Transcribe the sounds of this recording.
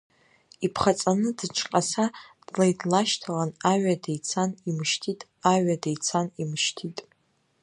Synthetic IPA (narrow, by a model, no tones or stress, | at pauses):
ipʰχat͡sʼanɨdɨʈ͡ʂʰʼqʼasad̥lajdlaʃtʰalanaɥadejt͡sʰanimʃtʰitʼ | aɥadejt͡sʰanimʃtʰitʼ